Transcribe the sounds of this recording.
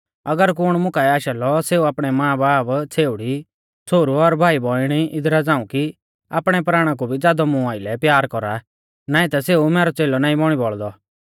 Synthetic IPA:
ɐɡəɾk̬ʊɽ̃mʊkaɛaːʃalɔseːuaːpɽ̃ɛmãːbaːbt͡sʰeːʊɽi | t͡sʰoːɾuɔɾbʱaːibɔɪɽ̃iɪd̪ɾad͡zãːũki | a̰ːpɽ̃ɛpɾaːɽ̃ãk̬ubʱid͡zaːd̪ɔmũaːɪlɛpjaːɾkɔɾa̰ | naːĩt̪aseːumɛːɾɔt͡seːlɔnaːĩbɔːɽ̃ibɔɭd̪ɔ

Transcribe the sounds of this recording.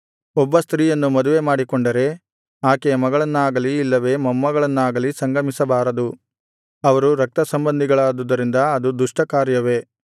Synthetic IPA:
ɔbːɐst̪ɾiːjɐnːumɐd̪uʋemaːɽikɔɳɖɐɾe̞ | aːkemɐɡɐɭɐnːaːɡɐliːlːɐʋe̞mɐmːɐɡɐɭɐnːaːɡɐlisɐŋɡɐmisɐbaːɾɐd̪u | ɐʋɐɾuɾɐk̚t̪ɐsɐmbɐnd̪ʱiɡɐɭaːd̪ud̪ɐɾind̪ɐɐd̪ud̪uʂʈɐkaːɾjɐʋe̞

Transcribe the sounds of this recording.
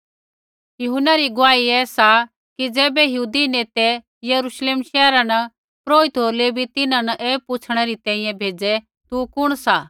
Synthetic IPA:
jʊɦʊnaɾiɡʊʋaːiɛːsa | kid͡zɛːbɛjɐɦuːd̪ineːt̪ɛ | jɐɾuʃleːmʃɛːɾanɐ | pɾoːɪt̪ɦoːɾlebʱit̪ɪnãnɐʔeːpʊt͡sʰɽ̃ɛɾit̪ɛ̃ːĩjɛ̃bʱeːd͡zɛ | t̪ukʊɽ̃sa

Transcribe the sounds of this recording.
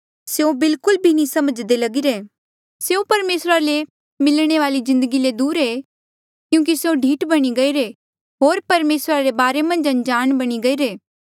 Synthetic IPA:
seõbɪlkʊlbʱinĩsɐməd͡ʒd̪elɐɡiɾeː | seõpɐɾmeːsɾale | mɪlɽ̃eʋaːlizɪ̃nd̪əɡiled̪uːɾɦeː | kjũːk̬iseõɖʱiːʈbɐɽ̃iɡɐiɾe | ɦoːɾpɐɾmeːsɾaɾebaːɾemɐ̃nd͡ʒɐ̃nd͡ʒaːnbɐɽ̃iɡɐiɾeː

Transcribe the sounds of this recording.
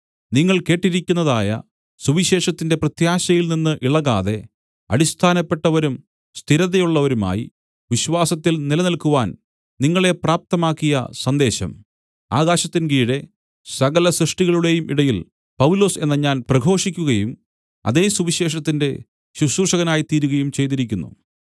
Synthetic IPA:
niŋːɐɭke̞ːʈːiɾikʲːunːɐðaːjɐ̰ | suʋiɕe̞ːʂɐt̪ːinde̞prɐt̪jaːɕɐjilninːɨʔiɭɐɣa̰ːðe̞ | ɐ̰ɾist̪ʰaːnɐpːe̞ʈːɐʋɐɾum | st̪ʰiɾɐðɐjuɭːɐʋɐɾuma̰ːjḭ | ʋiɕʋaːsɐt̪ːilnilɐnɐlkuʋaːn | niŋːɐɭe̞praːp̚t̪ɐmaːkːijɐsɐnd̪e̞ːɕɐ̰m | a̰ːɣaːɕɐt̪ːinɡiːɽe̞ | sɐɣɐlɐsrɨʂʈiɣɐɭuɽe̞jumʔiɽɐjil | pɐʋlo̞ːse̞nːɐɲaːnprɐɡʱo̞ːʂikʲːuɣɐjum | ɐ̰ðe̞ːsuʋiɕe̞ːʂɐt̪ːinde̞̰ | ɕuʂuːrʂɐɣɐnaːjit̪iːɾuɣɐjumt͡ɕe̞jt̪iɾikʲːunːṵ

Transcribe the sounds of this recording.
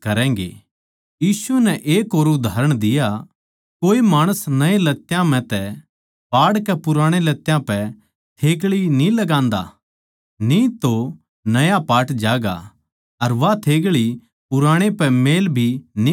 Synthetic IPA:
kɐɾɛ̃ːŋɡḛː | jiːsunɛʔeːkoːɾʊd̪ʱaːɾəɽ̃d̪ɪja | koːimaːɽ̃əsnɐelɐt̪ːjãm̤ɛ̃t̪ɛ | paːɽkɛpʊɾaːɽ̃elɐt̪ːjãpɛ | t̪ʰeːɡɭinĩlɐɡãːnd̪a̰ | nĩt̪o | nɐjapaːʈd͡ʒaːɡa̰ | ɐɾʋat̪ʰeːɡɭi | pʊɾãːɽ̃epɛmeːlbʱini

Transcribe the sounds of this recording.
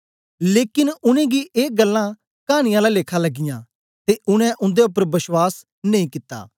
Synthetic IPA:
leːkɪnʊnɛ̃ːɡiʔeːɡəlːã | kaːɽ̃ɪjãːlaleːkʰalɐɡːɪjã̰ː | t̪eʔʊñɛ̃ʔʊ̃nd̪eʊpːəɾbɪswaːs | nɐ̃ĩːkɪt̪ːa̰ː

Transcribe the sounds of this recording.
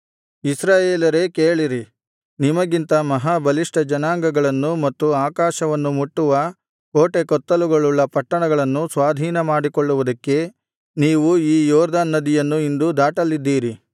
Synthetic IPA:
isɾaːjeːlɐɾe̞keːɭiɾi | nimɐɡint̪ɐmɐɦaːbʱɐliʂʈɐd͡ʒɐnaːŋɡɐɡɐɭɐnːumɐt̪ːuaːkaːʃɐʋɐnːumuʈːuʋɐ | koːʈekɔt̪ːɐluɡoɭːuɭːɐpɐʈːɐɳɐɡɐɭɐnːusʋaːd̪ʱiːnɐmaːɽikɔɭːuʋud̪ɐkːe̞ | niːʋuiːjɔːɾd̪aːnːɐd̪ijɐnːuind̪ud̪aːʈɐlːid̪ːiːɾi

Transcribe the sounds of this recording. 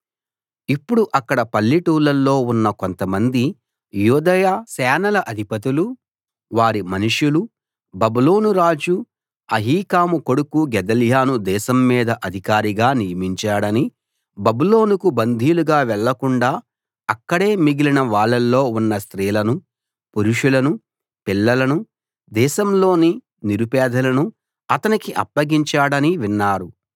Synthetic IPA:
ipːuɽuʔɐkːɐɽɐpɐlːiʈuːlɐlːo̞ːunːɐkont̪ɐmɐnd̪i | juːd̪ɐjaːsɛːnɐlɐʔɐd̪ʱipɐt̪̬ilu | ʋaːɾimɐnuʂjulu | bɐbulo̞ːnuɾaːd͡ʒu | ɐɦiːkaːmuko̞ɽukuɡɛd̪ɐljaːnud̪ɛːʃɐmːiːd̪ɐʔɐd̪ʱikaːɾiɡaːnijɐmiɲt͡ʃaːɽɐni | bɐbulo̞ːnukubɐnd̪ʱijuluɡaːʋɛɭːɐkuɳɖaː | ɐkːɐɽeːmiɡilinɐʋaːɭːɐlːo̞ːunːɐst̪ɾiːlɐnu | puɾuʂulɐnu | pilːɐlɐnu | d̪ɛːʃɐmlo̞ːni | niɾupɛːd̪ʱɐlɐnu | ɐt̪ɐnikiʔɐ̰pːɐɡiɲt͡ʃaːɽɐniʋinːaːɾu

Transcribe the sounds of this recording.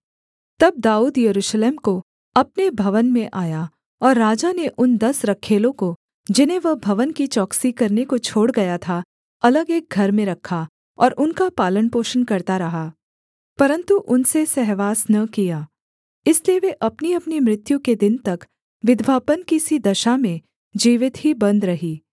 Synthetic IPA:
t̪ɐb̚d̪aːuːd̪jɐɾuːʃleːmko | ɐpnebʱɐʋənmẽʔaːja | ɔːɾːaːd͡ʒaneʔʊnd̪ɐsɾɐkʰːeːlõko | d͡ʒɪnɦẽʋɐɦbʱɐʋənkit͡ʃɔːksikɐɾnekot͡ʃʰoːɽɡɐjat̪ʰa | ɐləɡeːk̚ɡʱɐɾmẽɾɐkʰːa | ɔːɾʊnkapaːlənpoːʃənkɐɾt̪aɾɐɦaː | pɐɾə̃nt̪uʔʊnsesɛɦʋaːsnɐkijaː | ɪslieʋeʔɐpniɐpnimɾɪt̪jũked̪ɪnt̪ɐk | ʋɪd̪ʋaːpənkisid̪ɐʃamẽ | d͡ʒiːʋɪt̪ɦibɐ̃nd̪ɾɐɦiː

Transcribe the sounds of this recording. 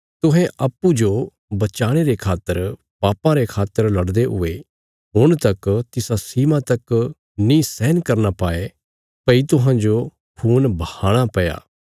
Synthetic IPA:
t̪ʊɦɛ̃ʔɐpːud͡ʒo | bɐt͡ʃaːɽ̃eɾekʰaːt̪ːəɾ | paːpãɾekʰaːt̪ːəɾlɐɽd̪eɦʊ̰e | ɦʊɽ̃t̪ɐkt̪ɪsasiːmãt̪ɐk | nĩsɛːnkɐɾnapaːe | pɐit̪ʊɦãd͡ʒo | kʰuːnbɐhaːɽ̃apɐja̰ː

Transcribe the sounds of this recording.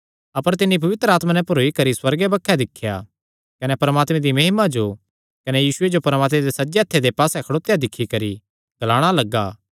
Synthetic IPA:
ɐpəɾt̪ɪnːip̬ɐʋɪt̪ɾəaːt̪manɛ̃pɐɾoːikɐɾiswɐɾɡebɐkʰːɛd̪ɪkʰːja̰ | kɐnɛpɐɾəmaːt̪mẽd̪imɐɦɪmad͡ʒo | kɐnɛjiːsʊed͡ʒopɐɾmaːt̪mẽd̪esɐd͡ʒeɐt̪ʰːed̪epaːsɛkʰɐɽoːt̪jad̪ɪkʰːikɐɾi | ɡ̥ɐlaːɽ̃alɐɡːaː

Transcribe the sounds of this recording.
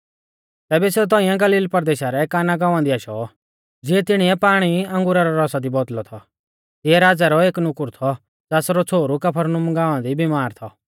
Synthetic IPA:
t̪ɛːbɛset̪̬ɔːĩjãɡɐliːlpɐɾd̪eːʃaɾɛkaːnaɡãːʋãd̪iaːʃɔ̰ | d͡zɪɛt̪ɪɽ̃iɛpaːɽ̃iɐ̃ŋɡʊɾaɾɔɾɔsad̪ibɔt̪lɔt̪ʰɔ | t̪ɪɛɾaːd͡zaɾɔeːknʊkʊɾt̪ʰɔ | d͡zɛːsɾɔt͡sʰoːɾukɐpʰəɾnʊmɡãːʋãd̪ibimaːɾt̪ʰɔ

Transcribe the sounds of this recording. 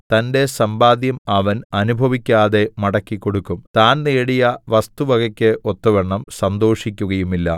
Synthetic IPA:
t̪ɐnde̞sɐmbaːd̪jɐmɐʋɐnɐnubʱɐʋikʲːaːðe̞mɐɽɐkːikːo̞ɽukːumt̪aːnneːɽijɐʋɐst̪uʋɐɣɐkʲːeʔo̞t̪ːuʋeɳːɐmsɐnd̪o̞ːʂikʲːuɣɐjumilːɐ̰

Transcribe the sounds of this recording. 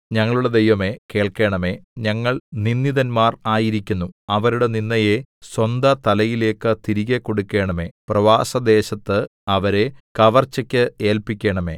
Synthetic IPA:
ɲɐŋːɐɭuɽed̪e̞jʋɐme̞ke̞ːɭke̞ːɳɐme̞ːɲɐŋːɐɭninːiðɐnmaːraːjiɾikʲːunːuɐʋɐɾuɽe̞ninːɐje̞swɐnd̪ɐt̪ɐlɐjile̞ːkːɨt̪iɾiɣekːo̞ɽukʲːe̞ːɳɐme̞ːprɐʋaːsɐd̪e̞ːɕɐt̪ːɨɐʋɐɾe̞kɐʋɐrt͡ɕːɐkʲːɨeːlpikʲːe̞ːɳɐme̞̰ː

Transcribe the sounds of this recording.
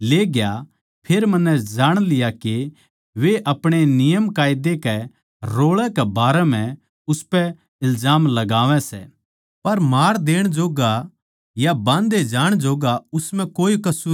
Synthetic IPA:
leːɡja | pʰeːɾmɐnːɛd͡ʒaːɽ̃lɪjake | ʋeʔɐpɽ̃enɪjəmkaːjɪd̪ekɛ | ɾoːɭɛkɛbaːɾɛm̤ɛ̃ | ʊspɛ | ɪlzaːmlɐɡaːʋɛ̃sɛ̰ | pɐɾmaːɾd̪eːɽ̃d͡ʒoːɡa | jabãːnd̪ed͡ʒaːɽ̃d͡ʒoːɡaʊsmɛ̃koːikɐsuː

